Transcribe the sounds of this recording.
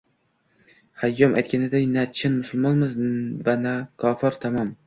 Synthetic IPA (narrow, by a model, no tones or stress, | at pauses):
hajːɒmʔajt̪̚kʲʰanɪd̪ajnat͡ʃʰɪnmʊsʊlˠmɒnmɪzvanakʰɒfɪɾt̪ʰamɒm